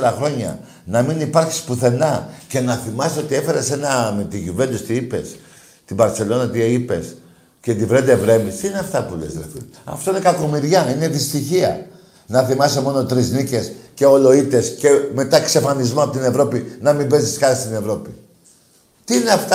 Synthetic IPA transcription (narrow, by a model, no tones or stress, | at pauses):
ɾɐxɾo̞ɲɐ̰ | nɐminipɐɾçi̥spuθe̞nɐce̞nɐθimɐseo̞t̪ie̞fe̞ɾese̞nɐmet̪iʝuve̞nd̪ust̪iipe̞s | t̪ibɐɾt̪t͡se̞lo̞nɐt̪iipe̞̰s | cet̪ivɾed̪evɾe̞mist̪iineɐft̪ɐpulḛzeθi | ɐ̰ft̪o̞inekɐko̞miɾʝɐine̞ðist̪içiɐ̰ | nɐθimɐsemo̞no̞t̪ɾiznice̞sce̞olo̞it̪e̞sce̞me̞t̪ɐkse̞fɐnizmoɐpot̪ine̞vɾo̞pinɐmimbe̞siskɐist̪ine̞vɾo̞pi | t̪iineɐft̪